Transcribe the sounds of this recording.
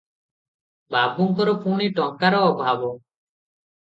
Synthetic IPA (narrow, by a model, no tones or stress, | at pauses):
babuŋkɔɾɔpuɳ̃iʈɔŋkaɾɔːbʱabɔ